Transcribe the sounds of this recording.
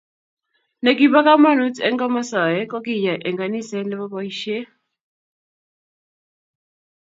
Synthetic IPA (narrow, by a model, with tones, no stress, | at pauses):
nɛ˨k̬i˨ba˦ka˦ma˦˨nu˦tɛ̰˦ŋɡɔ˦ma˦sa˨jɛ˦kɔ˦ki˦˨ja˨ʔɛ˨ŋɡa˨ni˦˨sɛ˦lɛ˦βa˦bɔ˦i˦ʃe˦